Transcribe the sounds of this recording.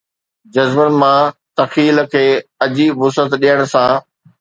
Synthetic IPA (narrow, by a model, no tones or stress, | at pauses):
d͡ʑɐzbənɪ̆mãt̪ɐxiːl̆kʰeːɐd͡ʑiʊsət̪ɗijəɽ̃̆sãː